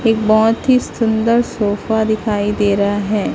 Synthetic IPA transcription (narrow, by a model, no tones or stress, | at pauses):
eːk̚bɔɦt̪ɦisʊ̃nd̪əɾsoːfad̪ɪkʰaːid̪eːɾɦaɦɛː